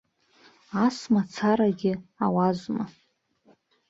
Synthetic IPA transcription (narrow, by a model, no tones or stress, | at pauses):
asmat͡sʰaɾaɡʲɪawazʷma